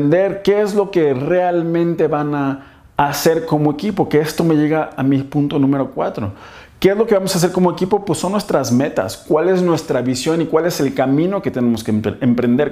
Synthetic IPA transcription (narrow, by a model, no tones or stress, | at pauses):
nd̪e̞ɾke̞ezlo̞ke̞re̞almẽ̞nt̪e̞βanaː | se̞ɾko̞mo̞ekipo̞keest̪o̞me̞ʝe̞ɣaamipunt̪o̞nũme̞ɾo̞kwa̰t̪ɾo̞̰ | ke̞ezlo̞ke̞βamo̞sas̬e̞ɾko̞mo̞ekipo̞pwesːo̞nːwe̞st̪ɾazme̞t̪a̰skwale̞znwe̞st̪ɾaβisjo̞nikwale̞se̞lkamĩno̞ke̞t̪ene̞mo̞skeempɾe̞nd̪e̞ɾ